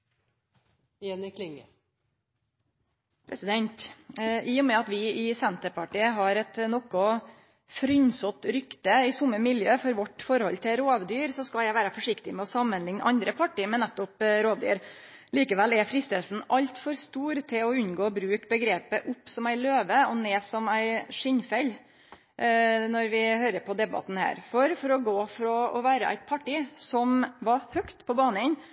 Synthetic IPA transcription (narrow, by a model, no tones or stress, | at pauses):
ɛnɪkʰlɪŋə | pʰɾɛsɪd̪ɛnt̪ɪːɔmɛɑt̪ʋɪɪsɛnt̪əɾpɑʈiːəɦɑɾɛt̪nɔkɔ | fɾʏnsɔt̪ɾʏkt̪əɪsʊmːəmɪljøːfɔɾʋɔʈfɔɾhɔlt̪ʰɪɾoːʋd̪yːɾsɔskɑljæɪʋæːɾəfɔʂɪkt̪ɪmɛɔsɑmːənlɪŋnʔɑ̰nd̪ɾəpʰɑʈiːmɛnnæt̪ːʊpɾoːʋd̪yːɾ | liːkəʋɛlːɛfɾɪst̪əːlsn̩ʔɑlt̪fɔɾst̪uːɾt̪ʰɪlɔʉnɡoːbɾʉːkbəɡɾeːpəʔʊpːsɔmæɪløːʋəɔneːsɔmæɪʂɪɲfɛl | nɔɾʋɪhøːɾəɾpʰɔd̪ɛbɑ̰t̪n̩hæ̰ːɾfɔɾfɔɾɔɡoːfɔɾɑʔɔʋæːɾəʔæ̰ɪt̪̚pʰɑʈɪsɔmʋɑɾhœkt̪pʰɔbɑːnəɪn